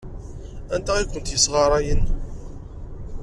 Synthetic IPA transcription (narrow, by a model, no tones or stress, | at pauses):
ænt̪æʁikʷʊnt̪jəsʁɑɾˤɑjən